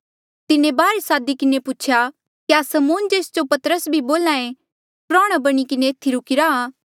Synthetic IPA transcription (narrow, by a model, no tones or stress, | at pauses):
t̪ɪnẽbaːɾesaːd̪ikɪneput͡ʃʰja | kiaːsɐmoːnd͡ʒeːsd͡ʒopɐt̪əɾəsbʱiboːlãːẽ | pɾaːɽ̃abɐɽ̃ikɪneːt̪ʰːiɾʊkɪɾaaː